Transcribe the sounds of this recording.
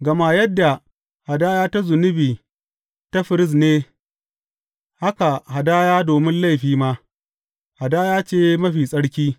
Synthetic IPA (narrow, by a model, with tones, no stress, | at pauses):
ɡɐ˨ma˦jɐ˦dːa˨ | ha˨daː˦jaː˦ta˦zʊ˨nʊ˦biː˨ | ta˦ɸɪ˨ɾɪ˦s̬neː˦ | ha˦ka˨ɦa˨daː˦jaː˦doː˨mɪ˦nla˦˨jɸiː˦maː˦ | ha˨daː˦jaː˦t͡ʃeː˦mɐ˦ɸiː˨sʼɐ˦ɽkʲiː˦